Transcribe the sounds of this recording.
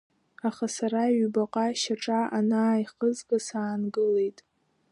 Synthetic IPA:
aχasaɾaɥbaqʼaʃaʈ͡ʂʼaʔanaːjχəzɡasaːnɡɨle̞jtʼ

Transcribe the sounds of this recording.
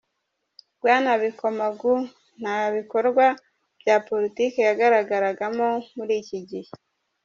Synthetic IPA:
ɡwaːnaβikomaɡu | n̥aβiko̞ɾɡwa | b̥jaːpo̞ɾitikejaɡaɾaɡaɾaɡamomuɾiːciɟihe

